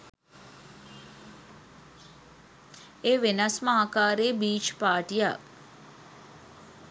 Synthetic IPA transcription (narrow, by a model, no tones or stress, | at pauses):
eːʋenɐsməaːkaːɾeːbiːt͡ʃpaːʈija̰